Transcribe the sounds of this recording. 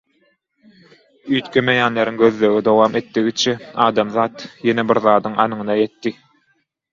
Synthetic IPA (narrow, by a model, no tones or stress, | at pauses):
yːt̪kʰʲømejæːnleɾiŋɡø̞ðløɣid̪owɑːmʔet̪ːiɣit͡ʃʰeɑːd̪ɑmðɑːt̪jenebiɾðɑːd̪ɯŋʔɑnɯŋɯnɑjet̪ːi